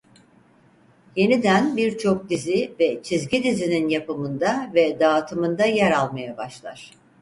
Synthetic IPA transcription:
je̞nid̪ænbiɾt͡ʃʰo̞k̚d̪izivɛt͡ʃʰizɟid̪izininjapɯmɯnd̪avɛd̪aːt̪ʰɯmɯnd̪ajæɾalˠmajabaʃlˠaɾ̥

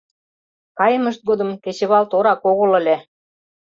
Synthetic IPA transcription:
kɑjə̆mə̆ʃt̪̚ɡod̪ɤ̆mket͡ɕĕβɑlt̪oɾɑkoɣɤ̆lə̆lʲe

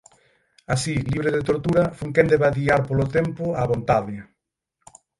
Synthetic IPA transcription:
asiliβɾeðet̪oɾt̪uɾɐfuŋkend̪eβaðiaɾpolot̪empʊaβont̪aðɪ

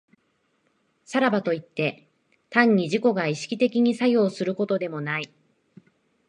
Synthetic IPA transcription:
saɾabat̪o̞it̪ːe̞ | t̪ãɲ̟ːiʑiko̞ɡaiɕi̥kʲit̪e̞kʲiɲ̟isajo̞ːsɨɾɯ̟ko̞t̪o̞d̪e̞mo̞nai

